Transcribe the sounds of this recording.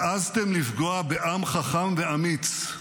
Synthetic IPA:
ʔazt̪emlifɡoabeʔamχaχamveamit͡s

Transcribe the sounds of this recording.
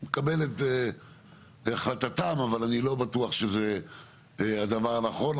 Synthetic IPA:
mekabelet̪ | aχlat̪atamavalanilo̞bat̪uaχʃeze | ad̪avaʁanaχo̞n

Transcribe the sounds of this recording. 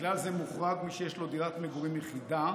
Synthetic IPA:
lalzemuχʁaɡmiʃejeʃlo̞d̪iʁat̪meɡuʁimjeχid̪a

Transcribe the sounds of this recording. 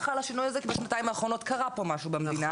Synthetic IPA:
χalaʃinujazekibeʃnataimaːχʁo̞no̞t̪kaʁapo̞maʃubemed̪ina

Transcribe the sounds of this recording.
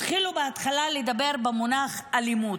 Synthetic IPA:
χilubeat̪χalaled̪abe̞ʁbemonaχalimud

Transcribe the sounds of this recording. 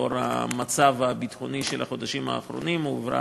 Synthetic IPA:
oɾa̰mat͡savabit̪χo̞niʃelhaχo̞d̪aʃimha̰ːχɾo̞̰nimuvɾa̰

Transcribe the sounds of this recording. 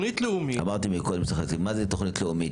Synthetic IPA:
nit̪leumia̰maʁt̪imikolimsaχekimːazet̪oχnit̪leumit

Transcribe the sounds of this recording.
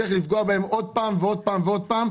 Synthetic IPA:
eχlifɡoabahemo̞d̪̚paːmveo̞d̪̚paːmveo̞d̪̚paːm

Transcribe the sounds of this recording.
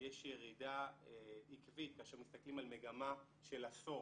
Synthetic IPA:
jeʃjeʁidaeikvit̪̚kaːʃeʁmist̪aklimalme̞ɡama | ʃe̞laso

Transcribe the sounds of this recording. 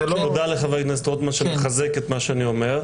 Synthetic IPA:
elovod̪aleχavajknast̪od̪maʃemeχazeket̪maʃeanio̞meʁ

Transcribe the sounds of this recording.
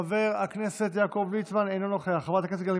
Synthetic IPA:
ave̞ʁakne̞set̪jaːko̞vlit͡smanejnonoχeaχavat̪akesɡali

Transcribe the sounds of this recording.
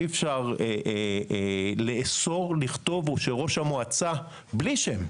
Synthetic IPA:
efʃaʁee | leʔːso̞ʁliχt̪o̞voʃeʁo̞ʃamoat͡sa | bliʃem

